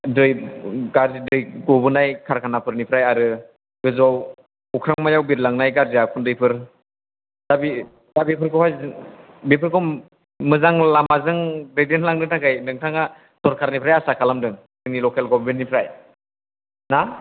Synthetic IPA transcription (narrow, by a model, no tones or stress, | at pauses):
dɯjɡaɾzidɯjɡɔbɯnajkʰaɾkʰanapʰɯɾnipʰɾajaɾɯ | ɡɯzɔw | ukʰɾaŋmajawbiɾlaŋnajɡaɾzijakʰundɯjpʰɯɾ | d̥abi | dabipʰɯɾkʰɔhajz | bipʰɯɾkʰɔ | mɯzaŋlamazɯŋɾedenlaŋnɯtakajnɯŋtʰaŋa | sɔɾkʰaɾnipʰɾajasakʰalamdɯŋ | z̥ɯŋnilɔkelɡɔbbinipʰɾaj | na